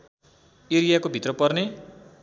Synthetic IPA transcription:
iɾijakobʱit̪rʌpʌrne

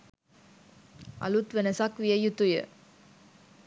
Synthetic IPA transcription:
ɐ̰lut̪ʋɛnɐsaːkʋijɐjut̪ujɐ̰

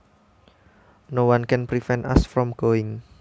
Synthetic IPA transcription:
nowankɛnpɾifɛna̰sfɾɔmɡ̥oɪŋ

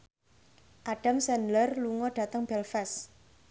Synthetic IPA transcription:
ʔaɖ̥a̤msɛnlərluŋɔɖ̥a̤t̪əŋb̥ɛlfɛs

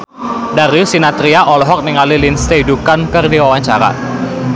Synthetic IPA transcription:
darjusinat̪ɾiaʔɔlɔɦɔk̚niŋalilinst̪eidukankərdiwawaɲt͡ʃaɾa̰

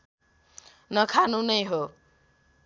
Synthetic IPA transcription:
nʌkʰanũnʌjɦo

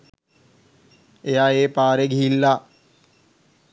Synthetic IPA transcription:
ejaeːpaːɾeɡʱiilːa

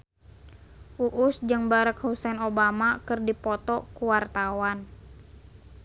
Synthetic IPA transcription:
ʔuʔusd͡ʒɨŋbaɾakhusɛnobamakɨrdipɔt̪ɔkuwart̪awan

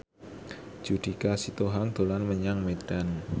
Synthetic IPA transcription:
d͡ʒ̥ud̪̥i̤kasit̪oɦaŋd̪̥olanməɲaŋmed̥an

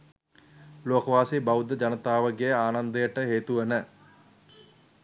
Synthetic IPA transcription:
loːkɐʋaːsebaud̪əd͡ʒɐnət̪aːʋəɡejəaːnand̪əjəʈəɦeːt̪uʋənə

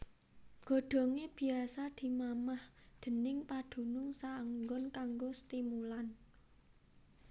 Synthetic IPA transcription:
ɡ̥o̤ɖ̪̥ɔ̤ŋeb̥i̤asad̪̥i̤mamahd̪̥ə̤nɪŋpad̪̥ṳnʊŋsaəŋɡɔnkaŋɡost̪imulan

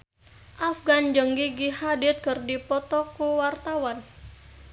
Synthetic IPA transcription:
ʔafɡand͡ʒəŋɡiɡihadɪt̪̚kɨrdipɔt̪ɔkuwart̪awan

